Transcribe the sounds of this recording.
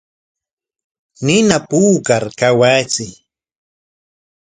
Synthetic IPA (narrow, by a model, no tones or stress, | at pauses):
nɪnapuːkaɾkawaːt͡sɪ